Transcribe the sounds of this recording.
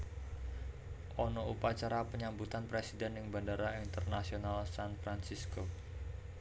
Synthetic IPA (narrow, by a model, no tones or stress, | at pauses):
ʔɔnɔupat͡ʃaɾapəɲambut̪anpɾesidɛnɪŋbandaɾaint̪ərnasionalsanfɾansisko